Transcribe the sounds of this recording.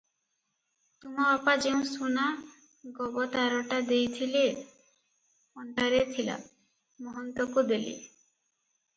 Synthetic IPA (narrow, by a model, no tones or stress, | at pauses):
t̪umaapad͡ʒeũsuna | ɡɔbɔt̪aɾɔʈad̪ejt̪ʰile | ɔɳʈaɾet̪ʰila̰ | mɔɦɔnt̪ɔkud̪elḭ